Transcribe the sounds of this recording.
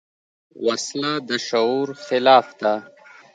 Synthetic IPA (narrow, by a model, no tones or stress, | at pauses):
waslad̪əʃauɾxɪlɑːfd̪a